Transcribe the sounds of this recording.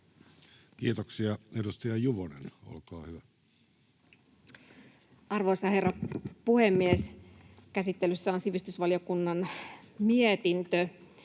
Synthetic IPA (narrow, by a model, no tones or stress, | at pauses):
kiːt̪oksiɑedust̪ɑjɑjuʋonḛno̰lkɑːhyʋæ | ɑrʋojsɑhe̞rːɑpuhemːieskæsit̪ːelysːæonsiʋist̪ysʋɑlijokunːɑnmiet̪int̪ø